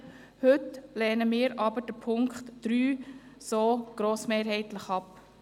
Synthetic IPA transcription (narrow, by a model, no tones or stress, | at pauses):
hɵtlɛːnəmɪːɾɑbəɾd̥əpʰʊŋkχtd̥ɾyːsoːɡ̥ɾoːsmeːɾhɛɪtləχɑp